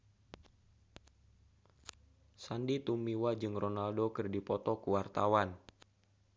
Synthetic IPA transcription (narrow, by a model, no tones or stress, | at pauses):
sandit̪umiwad͡ʒɨŋrɔnaldokɨrdipɔt̪ɔkuwart̪awan